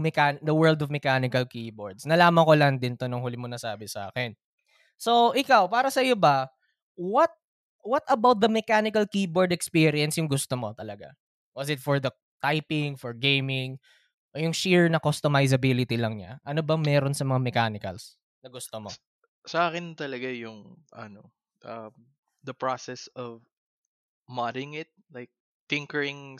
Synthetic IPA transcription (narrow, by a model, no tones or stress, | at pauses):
mɛkand̪ɐwɛɹld̪ɔvmɛkaːnɪkɐlkiboɹd̪snɐlaːmɐŋkolɐŋd̪ɪnt̪onʊŋhʊlɪmonɐsaːbɪsɐʔa̰ːkɛn | so̞ʔɪkawpaːɾɐsɐjobɐ | wɐt̪̚ | wɐt̪ɐbawt̪̚d̪ɐmɛkanɪkɐlkiboɹd̪ɛkspiɾɪɐnsjʊŋɡʊst̪omo̞t̪ɐlɐɡa̰ | wɐsɪt̪̚fɔɹd̪ɐ | t̪ajpɪŋfɔɹɡejmɪŋ | ʔojʊŋʃiɹnɐkost̪omajs̬ɐbilɪt̪ilɐŋɲa̰ʔɐnobɐŋmɛːɾonsɐmɐŋamɛkanɪkɐ̰ls | nɐɡʊst̪omo | sɐʔaːkɪnt̪ɐlɐɡajʊŋʔɐ̰no | ʔɐ | d̪ɐpɹasɛsɔv | madɪŋɪt̪̚lajk̚ | t̪ɪ̃ŋkɛɹɪ̃ŋ